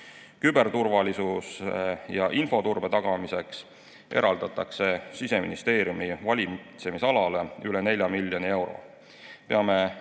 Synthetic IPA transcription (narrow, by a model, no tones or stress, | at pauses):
kybe̞rt̪urvɑlisusjɑʔinfo̞t̪urb̥e̞t̪ɑɡ̥ɑmise̞ks | ʔe̞ɾɑld̪ɑt̪ːˑɑkse̞sise̞mḭnist̪e̞ːɾjumivɑlʲit̪se̞misɑlɑleyle̞ne̞lʲjɑmilʲːjonie̞wɾo̞̰ | pe̞ɑme